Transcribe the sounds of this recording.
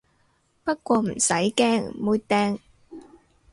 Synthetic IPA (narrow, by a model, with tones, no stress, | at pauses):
pɐ˥t̚kʷɔː˧m̩˨˩sɐ˨˥jkɛː˥ŋmuː˧t̚t̪ɛː˧ŋ